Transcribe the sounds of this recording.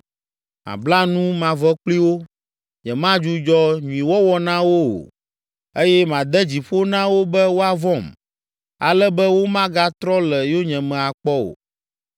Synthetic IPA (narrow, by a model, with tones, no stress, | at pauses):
mã̰˨bla˦nũ˦mã˨vɔ˦k͡pli˦wo˦ | ɲɛ̃˨mã˦d͡ʒu˦d͡ʒɔ˦ɲũ˨ĩ˨wɔ˦wɔ˦nã˦wo˦o̰˨ | e˦jɛ˦mã˨d̪ɛ˦d͡ʑi˨ɸo˦nã˦wo˦bɛ˦wo˦a˨vɔ˦˨m | a̰˨lɛ˦bɛ˦wo˦mã˦ɡa˦t̪ɾɔ˦lɛ˨jo˦ɲɛ̃˨mɛ̃˨a˨k͡pɔ˦o̰˨